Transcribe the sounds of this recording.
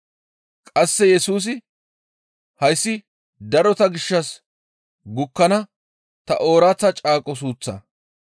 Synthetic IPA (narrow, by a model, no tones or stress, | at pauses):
kʼɐsːɛjɛsuːs̬ɪ | hɐjsːɪ | d̪ɐɾɔt̪ɐɡɪʃːɐs | ɡʊkːɐnɐ | t̪ɐ̰ʔo̞ːɾaːt͡sːɐt͡ʃʼaːkʼɔs̬uːt͡sːɐ̰